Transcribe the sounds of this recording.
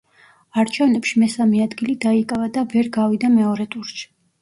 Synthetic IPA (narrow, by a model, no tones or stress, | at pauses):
aɾt͡ʃʰɛvnɛpʃimɛsamɛad̪ɡilid̪aikʼavad̪avɛɾɡavid̪amɛɔɾɛt̪ʼuɾt͡ʃi̥